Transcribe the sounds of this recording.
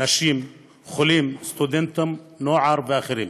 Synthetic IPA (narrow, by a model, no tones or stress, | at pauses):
naʃiːm | xʊliːmst̪ʊd̪ɪnt̪ʊmnoːʕɑɾˤbɪʔaxɪɾiːn